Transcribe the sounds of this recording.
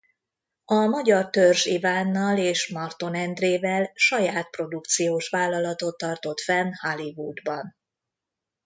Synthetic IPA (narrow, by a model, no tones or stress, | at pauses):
ɒmɒɟɒrt̪ørʒivaːnːɒleːʃmɒrt̪o̞nɛnd̪reːvɛlʃɒjaːt̪̚pro̞d̪ukt̪sijoːʃʋaːlːɒlɒt̪o̞t̪ːɒrt̪o̞t̪fɛnhɒlivud̪bɒn